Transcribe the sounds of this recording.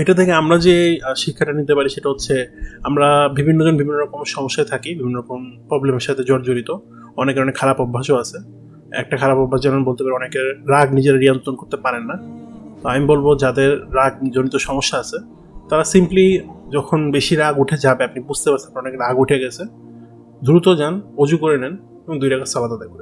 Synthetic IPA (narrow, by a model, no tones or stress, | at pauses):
eʈat̪ʰɛkeamɾad͡ʑeʃikʰːaʈanit̪epaɾiʃeʈaɦot̪ːɕʰeamɾabibʱinːoɔnbibʱinːoɾɔkomʃɔmoʃːaet̪ʰakibibʱinːoɾɔkompɾɔblemeɾʃat̪ʰed͡ʑɔɾd͡ʑoɾit̪o | ɔnekeɾɔnekʰalapɔbʱːaʃoat͡ɕʰe | ɛ̰k̚ʈakʰalapɔbʱːaʃd͡ʑananbolt̪epaɾiɔnekeɾɾaɡnid͡ʑeɾaɾiant̪ɾonkoɾt̪epaɾenːat̪oamibolbod͡ʑad̪eɾːaɡ̚d͡ʑonit̪oʃɔmoʃːaat͡ɕʰe | t̪aɾasimplid͡ʑɔkʰonbeʃiɾaɡuʈʰed͡ʑabeapnibud͡ʑʱt̪epaɾsʰenapnaɔnekeɾaɡuʈʰeɡɛt͡ɕʰe | d̪uɾut̪od͡ʑanod͡ʑukoɾenɛn | eboŋd̪ujɾaɡasalad̪ad̪eɾkoɾe